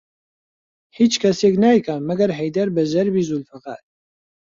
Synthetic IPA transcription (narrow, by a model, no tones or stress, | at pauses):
hiːt͡ʃkʰɛseːknaːjkamɐɡɐɾɦɛjd̪ɐɾbɛʒɛɾbiːzulfɐqa̰ːɾ